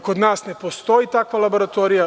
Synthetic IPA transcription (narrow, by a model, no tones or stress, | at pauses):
kod̪naːsne̞po̞st̪o̞jit̪akʋalˠabo̞ɾat̪o̞ːɾija